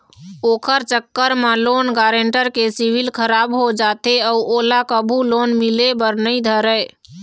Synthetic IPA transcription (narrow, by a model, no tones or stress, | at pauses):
oːkʰəɾt͡ʃəkːəɾmalonɡaɾeɳʈəɾkesiwilkʰəɾaːbɦod͡ʒat̪eəuʔolakəbʱulonmilebəɾnəid̪ʱəɾə